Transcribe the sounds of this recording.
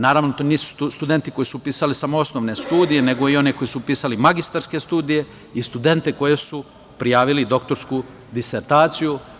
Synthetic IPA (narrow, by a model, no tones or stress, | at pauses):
naːɾaːʋnot̪oniːsu̥sst̪ud̪e̞nt̪ikojisupiːsalisamoosnoʋne̞st̪uːd̪ijene̞ɡo̞io̞neko̞jisupiːsalimaɡist̪aɾske̞st̪uːd̪ije̞ | ist̪ud̪e̞nt̪eko̞jesu | pɾijaːʋilid̪o̞kt̪o̞ɾsku | d̪iseɾt̪aːt̪siju